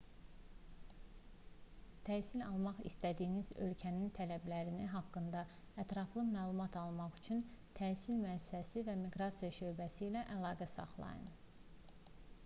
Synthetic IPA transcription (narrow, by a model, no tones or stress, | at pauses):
t̪ʰæːsilɑlˠmɑχḭst̪æd̪ijːnizø̞̰lcʰænint̪ʰælæblæɾiniɦɑkːɯnd̪ɑ | æt̪ɾɑflˠɯmæːlˠumɑt̪ʰɑlˠmɑχy̥t͡ʃʰynt̪ʰæsilmyæssæsivæmiɡɾɑsijɑʃø̞jbæsiːlæʔælˠɑːɡæsɑ̰χlˠɑ̰jɯ̰n